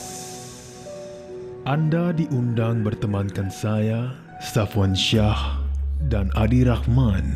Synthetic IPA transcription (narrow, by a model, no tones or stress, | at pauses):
ʔandadiʔundaŋbərt̪əmankansaja | st̪afɔnʃahdanʔadiɾahman